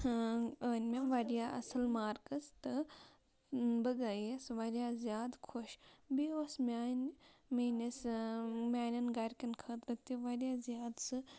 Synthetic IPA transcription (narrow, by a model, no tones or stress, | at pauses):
əːnʲmʲaʋaɾʲjaːʔɐ̰sɐlmaːɾkɐst̪ɨ | bɐɡajesʋaɾʲjaːzʲjaːd̪kʰoʃbiosmʲaːnmenɐsmʲaːnʲɐnɡaɾʲkɐnkʰɐːt̪ɾɐt̪ːiʋaɾijaːzʲjaːd̪sɨ